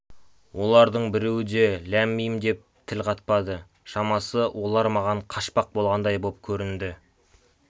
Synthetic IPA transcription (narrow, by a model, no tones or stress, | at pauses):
wo̞lˠɑɾd̪əɴbɪɾe̞wɪd̪e̞læmːijɪmd̪e̞p̚t̪ʰɪlqʰɑt̪̚pɑd̪ə | ʃɑmɑsəwʔo̞lˠɑɾmɑʁɑɴqʰɑʃpɑq̚bo̞lˠʁɑnd̪ɑjbo̞p̚kʲʰɵɾɪnd̪ɪ